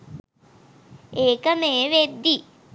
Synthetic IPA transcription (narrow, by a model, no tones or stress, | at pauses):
eːkəmeːʋed̪ːi